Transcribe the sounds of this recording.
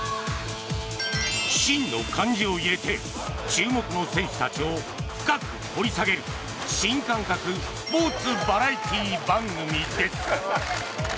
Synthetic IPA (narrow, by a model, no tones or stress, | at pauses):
ɕĩnːo̞kʰãɲ̟d͡ʑio̞iɾe̞t̪e̞ | t͡ɕɨːmo̞kɯ̟no̞sẽ̞ɰ̃ɕi̥t̪at͡ɕio̞ | ɸɯ̥kakɯ̟ho̞ɾʲisaɡe̞ɾɯ̟ | ɕĩŋkãŋkakɯ | po̞ːt͡sɨbaɾait̪ʲiːbãŋɡɯ̟mʲid̪e̞sɨ̥